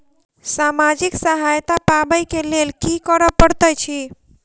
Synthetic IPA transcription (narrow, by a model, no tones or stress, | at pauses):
samad͡ʒiksəɦajt̪apabəjkelelkikəɾəpəɽt̪əjt͡ʃʰi